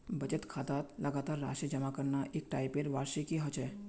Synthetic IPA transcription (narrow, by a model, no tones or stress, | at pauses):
bət͡ʃət̪kʰat̪at̪ləɡat̪aɾːa̰ʃid͡ʒəmakəɾnaʔek̚ʈaipeɾʋaɾʃikiɦət͡ʃʰe